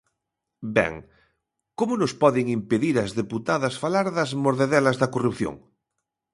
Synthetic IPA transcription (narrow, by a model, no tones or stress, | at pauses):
bɛ̰ŋ | komʊnospɔðeŋimpeðiɾɐzðeput̪aðɐsfalaɾðɐzmoɾðeðɛlɐzðɐkorupθjo̰ŋ